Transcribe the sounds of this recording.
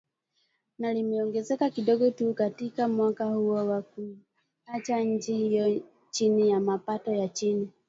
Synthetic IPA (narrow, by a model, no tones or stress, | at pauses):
nalimɛɔŋɡɛzɛkakiɗɔɡɔtukatikamwakahuɔwaku | at͡ʃaɲ̩d͡ʒihijɔ | t͡ʃinijamapatɔjat͡ʃini